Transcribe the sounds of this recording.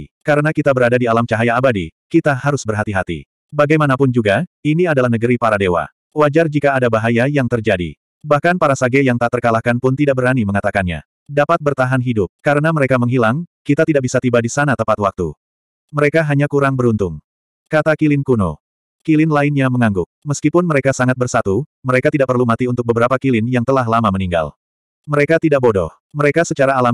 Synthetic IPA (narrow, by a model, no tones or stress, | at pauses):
kaɾənakit̪abəɾadadialamt͡ʃaɦajaːbadḭkit̪ahaɾʊsbərɦat̪iɦat̪ḭ | baɡajmanapʊnd͡ʒuɡainiadalahnəɡəɾipaɾadewa̰ | wad͡ʒard͡ʒikaːdabaɦajajaŋt̪ərd͡ʒadḭ | bahkanpaɾasaɡɛjaŋt̪at̪ərkalahkanpʊnt̪idaʔ̚bəɾaniməŋat̪akanɲa̰ | dapat̪̚bərt̪aɦanɦidʊp̚kaɾənaməɾekaməŋɦilaŋkit̪at̪idaʔbisat̪ibadisanat̪əmpat̪wak̚t̪ṵ | məɾekaɦaɲakuɾaŋbəɾunt̪ʊŋ | kat̪akilɪnkuno̰ | kilɪnlaɪnɲaməŋaŋɡʊk̚məskipʊnməɾekasaŋat̪̚bərsat̪uməɾekat̪idaʔ̚pərlumat̪iunt̪ʊk̚bəbəɾapakilɪnjaŋt̪əlaɦlamaməniŋɡa̰l | məɾekat̪idaʔ̚bodɔ̰h | məɾekasət͡ʃaɾaːlam